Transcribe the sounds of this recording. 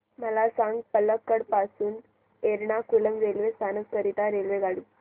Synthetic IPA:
mɐlaːsaːŋɡpɐlːɐkːɐɽpaːsun | eɾɳaːkulɐmɾeːlʋesaːnɐskɐɾiʈaːɾelʋeɡaɽi

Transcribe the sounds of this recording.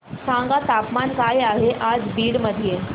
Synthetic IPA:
saŋɡat̪apmankajaɦeʔad͡zbiːɽməd̪ʱije

